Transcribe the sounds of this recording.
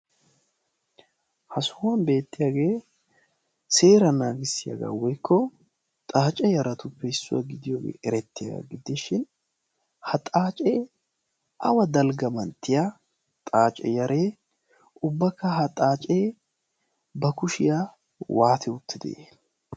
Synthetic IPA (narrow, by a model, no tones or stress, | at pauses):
hɐsʊwɐnbe̞ːt̪ːɪjaːɡe̞ː | se̞ːɾɐnaːɡɪsːɪja̰ɡa̰ːwɔjkːɔ | t̪ʼaːt͡ʃʼɛjɐɾɐt̪ʊpːɛɪsːʊ̰wa̰ɡɪd̪ɪjoːɡḛːʔɛɾɛt̪ːɪja̰ɡa̰ɡɪd̪ɪʃɪn | hɐt̪ʼaːt͡ʃʼe | ʔɐ̰wɐd̪ɐlɡɐmɐnt̪ːɪja | t̪ʼaːt͡ʃʼɛ̰jɐɾeː | ʊbːɐkːɐɦɐt̪ʼaːt͡ʃʼeː | bɐkʊʃɪja | waːt̪ʰɛʊt̪ːɪd̪ḛ